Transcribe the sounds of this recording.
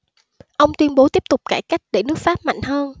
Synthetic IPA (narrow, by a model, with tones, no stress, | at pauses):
ʔə˧wŋ͡mt̪wi˧ənɓo˨˦t̪i˦˥əp̚t̪ʊ˨˩k͡p̚kaː˧˩jka˦˥jk̟̚ɗe˧˩nɨ˦˥ək̚faː˦˥p̚ma̰˧˨jŋ̟həː˧n